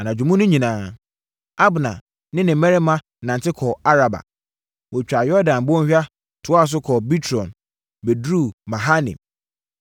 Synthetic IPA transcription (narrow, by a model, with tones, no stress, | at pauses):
a˨nã˨d͡ʑᶣũ˨mũ˦nʊ̃˦ɲĩ˨nãː˦ | a˦bnã̰˨ | nɪ̃˦nɪ̃˨˦mɛ̃˦ɾɪ˦mã˦ | nã˨n˨tɪ˦kʰɔ˨a˦ɾa˨ba̰˨ | wɔ˨t͡ɕᶣa˨jɔ˦dã˨n˨bɔ̃˦ɕᶣa˦ | tʰʊ˨˦a˦˨s̬ʊ˦kʰɔ˨bi˦tʰɾɔ̃˨n | be˨dɾu˦˨mã˨ɦa˦nɪ̰̃˨m